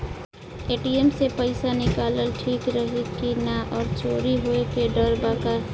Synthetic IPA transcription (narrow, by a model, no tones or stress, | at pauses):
eːʈiemsepəɪsanɪkaːləlʈʰiːkɾəɦikinaʔɔːɾt͡ʃʰoːɾiɦoekeɖəɾbaka